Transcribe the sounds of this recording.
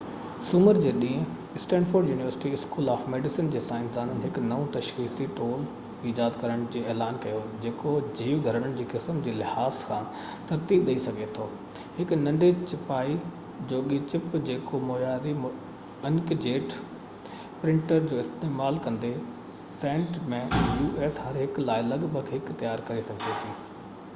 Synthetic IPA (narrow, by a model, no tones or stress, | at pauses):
sʊməɾd͡ʑeːɗĩːɪ̃ | ɪsʈɛ̃ːɳɖfoːɾɖjuːnɪʋəɾsɪ̥ʈiɪskuːlaːfmeːɖɪsɪnd͡ʑeːsaːɪ̃nsd̪aːnənɪɦɪknɐũt̪ɐʃxiːsiʈoːl | id͡ʑaːd̪kɐɾəɽ̃d͡ʑiːɛːlaːnkɐjod͡ʑeːkod͡ʑiːʋɡʱɐɾəɽ̃əɽ̃ɪ̆d͡ʑiːkɪsmd͡ʑiːlɪhaːskʰãː | t̪ɐɾt̪iːbɗɐisɐɡʱet̪ʰoː | hɪknɐ̃ɳɖet͡ɕɪpaːi | d͡ʑoːɠit͡ɕɪpd͡ʑeːkomoːjaːɾim | ɐnkd͡ʑeːʈ | pɾɪ̃ɳʈəɾd͡ʑoːɪst̪eːmaːlkɐ̃nd̪e | sẽːɳʈmẽjuːʔeːsɦɐɾɦɪklaːɪlɐɠbʱɐɡɦɪkt̪ɐjaːɾkɐɾesɐɡʱd̪et̪ʰiː